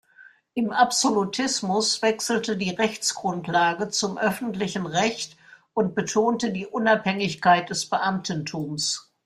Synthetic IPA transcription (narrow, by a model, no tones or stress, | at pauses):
ʔɪmʔapz̥olutʰɪsmʊsv̥ɛksl̩tədiːʁɛçt͡sɡ̥ʁʊntlaːɡət͡sʊmʔœfn̩tlɪçn̩ʁɛçtʔʊnt̚b̥ətʰoːntədiːʔʊnaphɛŋɪçkaɪt̚d̥ɛsb̥əʔamtn̩tʰuːms